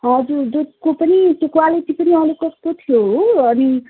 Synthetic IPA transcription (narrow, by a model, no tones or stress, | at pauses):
ʌd͡zuɾd̪ukopʌnikekwaliʈipʌniʌlekʌsk̪ot̪ʰijoʌni